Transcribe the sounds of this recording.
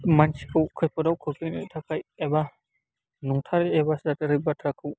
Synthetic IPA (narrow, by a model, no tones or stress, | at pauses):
mansi̥kʰɯwkʰɯjpʰɔdawkʰɯkɯjnɯ̰tʰakʰajɛba | nuŋtʰaɾeɛbasdatɯɾɯbatʰɾakʰɯw